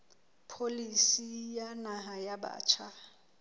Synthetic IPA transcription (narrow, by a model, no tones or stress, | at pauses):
pʰolisijanaɦajaba̰ːt͡ʃʰa